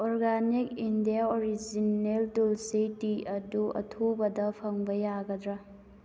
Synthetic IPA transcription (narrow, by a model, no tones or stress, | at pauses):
ɔɾɡanik̚indiaoɾid͡ʒineltulsitiɐduɐ̰tʰobɐdɐpʰɐŋbɐjaɡɐdɾɐ